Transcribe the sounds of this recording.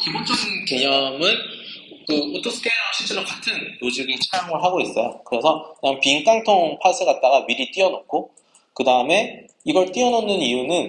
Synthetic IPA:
kibont͡ɕʰosʰinke̞ɲʌmɯn | kɯotʰos͈ʰɯ̥k͈e̞ʌɕʰiɭt͡ɕ͈eɾokatʰɯnːod͡ʑiɡint͡ɕʰajoŋɯɭɦaɡois͈ʌ̰jo̰kɯɾe̞sʰʌkɯɲaŋpiŋk͈aŋtʰoŋpʰas͈ʰɯɡat̚t͈aɡamiɾit͈iʌnok̚k͈ʰo | kɯdaɯme̞ | iɡʌɭt͈iʌnonːɯnijunɯn

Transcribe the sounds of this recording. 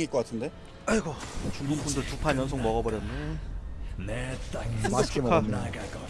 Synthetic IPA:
ŋiɭk͈ʌk͈atʰɯnde̞ | aiɡʌt͡ɕuŋɡuŋpʰundɯɭtupʰajʌns̬ʰoŋmʌɣʌbʌɾjʌnːɯ | neɯt͡ɕupʰa

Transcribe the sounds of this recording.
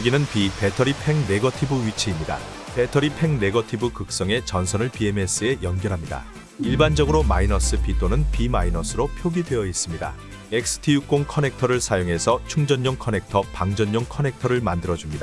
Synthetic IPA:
jɡinɯnpipe̞tʰʌɾipʰe̞ŋne̞ɡʌtʰibɯɥit͡ɕʰiːmɲida̰ | pe̞tʰʌɾipʰe̞ŋne̞ɡʌtʰibɯkɯk̚s͈ʌŋe̞t͡ɕʌnsʰʌnɯɭpie̞me̞s͈ʰɯe̞jʌnɡjʌɾɦamɲida̰ | iɭband͡ʑʌɡɯɾomainʌs͈ʰɯpit͈ʰonɯnpimainʌs͈ʰɯɾopʰjoɡidwe̞ʌis͈ɯmɲida̰ | ek̚s͈ʰɯ̥tʰijuk͈oŋkʰʌne̞k̚tʰʌɾɯɭsʰajoŋɦe̞sʰʌt͡ɕʰuŋd͡ʑʌɲːoŋkʰʌne̞k̚tʰʌpaŋd͡ʑʌɲːoŋkʰʌne̞k̚tʰʌɾɯɭmandɯɾʌd͡ʑumɲida

